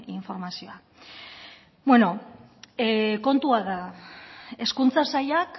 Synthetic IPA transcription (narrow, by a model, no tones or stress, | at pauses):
iɱfo̞ɾmasioa | bwe̞no̞ | ko̞nt̪uaða | e̞skunt͡sasaʎak